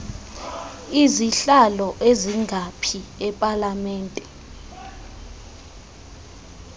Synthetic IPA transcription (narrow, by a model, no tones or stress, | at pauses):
iziɬalɔʔeziŋʱapʰiɛpʼalamɛːntʼɛ